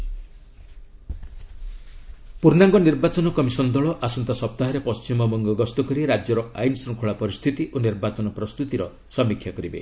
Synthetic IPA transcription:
puɾnaŋɡɔniɾbat͡ʃɔnɔkɔmisɔnd̪ɔɭɔʔasunt̪asɔp̚t̪aɦɔɾepɔst͡ʃimɔmɔŋɡɔɡɔst̪ɔkɔɾiɾad͡ʒjɔɾɔajnsɾɔŋkʰuɭapɔɾist̪ʰit̪iʔoniɾbat͡ʃɔnɔpɾɔst̪ut̪iɾɔ | sɔmikʰjakɔɾibḛ

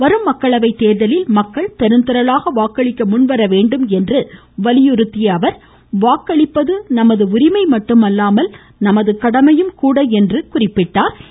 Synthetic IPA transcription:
ʋɐɾɯmːɐkːɐɭɐʋɐɪt̪ːeːɾðɐlɪlmɐkːɐɭt̪ɛɾɯnt̪ɐɾɐlaːɣɐʋaːkːɐɭɪkːɐmʊnʋɐɾɐʋeːɳɖɯmɛndrɯ | ʋɐlɪjɯɾɯt̪ːɪjɐːʋɐɾ | ʋaːkːɐɭɪpːɐðɯnɐmɐðɯʊɾɪmɐɪmɐʈːɯmɐlːaːmɐl | nɐmɐðɯkɐɽɐmɐjɯmkuːɽɐɛndrɯkʊrɪpːɪʈːaːɾ

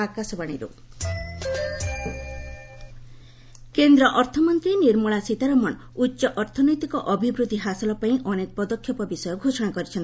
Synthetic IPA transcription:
akasɔbaɽ̃ḭɾṵ | kend̪ɾɔʔɔɾt̪ʰɔmɔnt̪ɾiniɾmuɭasit̪aɾɔmɔn | utːʃɔʔɔɾt̪ʰɔnɔjt̪ikɔʔɔbʱibɾud̪ʱiɦasɔlɔpaĩʔɔnekɔpɔd̪ɔkʰːjɔpɔbisɔjɔɡʱosɔɽ̃akɔɾit͡ʃʰɔnt̪i

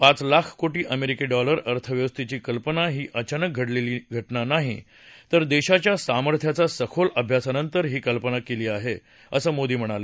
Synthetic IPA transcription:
pat͡slakʰkoʈiːʔəmeɾikeɖɔləɾəɾt̪ʰəʋjəʋəst̪ʰit͡ɕiːkəlpənaɦiːʔət͡ɕanək̚ɡʱəɽleliːɡʱəʈnanaɦḭ | t̪əɾd̪eɕat͡ɕjasaməɾt̪ʰjat͡sasəkʰoləbʱjasanənt̪əɾɦiːkəlpənakeliːaɦe | əsəːmod̪iːm̤əɽ̃ale

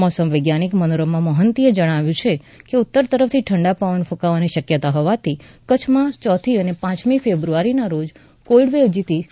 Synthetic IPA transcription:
mɔsəmʋəɡjanikmənɾomãməɦənt̪ied͡ʒəɽ̃aʋjũt͡ʃʰe | keut̪ːəɾt̪əɾəft̪ʰiʈʰəɳɖapaʋənfũkaʋaniʃəkjət̪aɦɔʋat̪ʰikət͡ʃʰmãt͡ʃɔt̪ʰiənepãt͡ʃmifebɾuaɾinaɾod͡ʒ | kolɖʋeʋd͡ʒit̪i

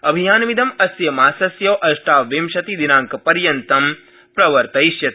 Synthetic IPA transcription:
ɐbʱijaːnʋid̪ɐmɐsjɐmaːsɐsjɐʋʔɐʃʈaːʋʋimʃɐt̪id̪inaːŋkɐpɐɾjɐnt̪ɐm | pɾɐʋɐɾt̪ɐiʃjɐt̪

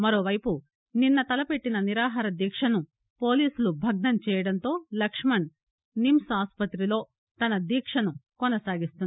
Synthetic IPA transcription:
mɐɾo̞ːʋɐjpu | ninːɐt̪ɐlɐpe̞ʈːinɐniɾaːɦaːɾɐd̪iːkʂɐnu | po̞ːliːsulubʱɐɡ̚nɐmt͡ʃɛːjɐɽɐnt̪o̞ːlɐkʂmɐɳ | nimsaːspɐt̪ɾilo̞ː | t̪ɐnɐd̪iːkʂɐnukɔnɐsaːɡist̪un

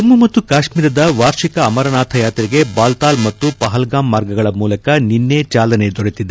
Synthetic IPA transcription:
ɐmːumɐt̪ːukaːʂmiːɾɐd̪ɐʋaːɾʂikɐːmɐɾɐnaːt̪ʰɐjaːt̪ɾiɡe̞baːlt̪aːlmɐt̪ːupɐɦɐlɡaːmːaːɾɡɐɡɐɭɐmuːlɐkɐninːeːt͡ʃaːlɐne̞d̪ɔɽet̪id̪e

